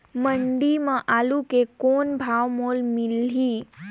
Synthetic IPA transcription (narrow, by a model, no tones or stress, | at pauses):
məɳɖimãʔaːlukekoːnbʱaːʋmoːlmɪliː